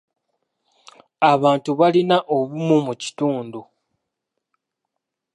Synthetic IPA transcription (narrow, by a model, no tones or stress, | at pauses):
aβaːntuβalinaʔoβumumuci̥tuːndu